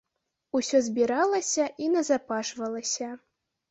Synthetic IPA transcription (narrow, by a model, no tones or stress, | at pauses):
usʲɔzʲbʲiɾalˠɐsʲɐʔinɐzapaʂvɐlˠɐsʲɐ